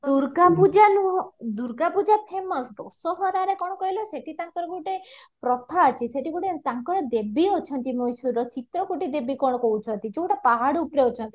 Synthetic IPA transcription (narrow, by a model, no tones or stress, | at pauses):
d̪uɾɡapud͡ʒanud̪uɾɡapud͡ʒapʰemɔsd̪ɔsɔɦɔɾaɾekɔɽ̃ɔkɔɦilɔseʈit̪aŋkɔɾɔɡuʈepɾɔt̪ʰaːt͡ʃʰiseʈikuʈet̪aŋkɔɾɔd̪ebiot͡ʃʰɔnt̪imojsuɾɔt͡ʃit̪ɾɔkuʈid̪ebikɔɽɔkɔɦut͡ʃʰɔnt̪it͡ʃoʈapaɦaɽupɽeot͡ʃʰɔnt̪i